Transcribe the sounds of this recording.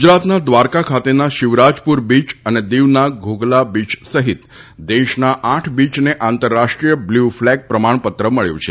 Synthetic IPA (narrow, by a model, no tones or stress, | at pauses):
ɡud͡ʒɾat̪nad̪ʋaɾkakʰat̪enaʃɪʋɾad͡ʒpuɾbit͡ʃəned̪iʋnaɡʱoɡlabit͡ʃsəɦit̪ | d̪eʃnaʔaʈʰbit͡ʃneʔant̪əɾːaʂʈɾijəbluflɛɡ̚pɾəmaɳpət̪ɾəməɭjṵ̃t͡ʃʰe